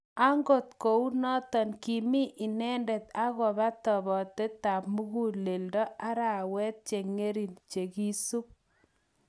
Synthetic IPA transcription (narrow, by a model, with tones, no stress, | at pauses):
a˦ŋɡo˦˨t̚ko˨u˦nɔ˦tɔ˨nki˨mi˦ʔi˨nɛ˦ndɛ˨t̪a˦ɣɔ˨ba˦t̪ɔ˨βɔ˨te˦ta˨pmu˦ɣu˦le˨ldɔ˦a˦ɾa˨wɛ˦t̚t͡ʃe˨ŋe˦ɾi˨nt͡ʃe˨ki˦su˦p̚